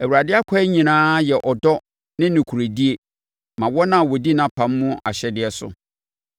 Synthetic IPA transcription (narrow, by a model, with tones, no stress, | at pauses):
æ˨wu˨ɾa˨dɪ˦a˦kʰa˦ɲĩ˨nãː˦jɛ˨ʔɔ˨dɔ˦ | nɪ̃˦nɪ̃˨kʰu˨ɾe˨di˦e˨ | mã˨wɔ˦nã˦˨wɔ˨di˦nã˨pʰã˨mː˦ũ˦a̰˨ɕɛ˦dɪ˨ɛ˦sʊ̰˨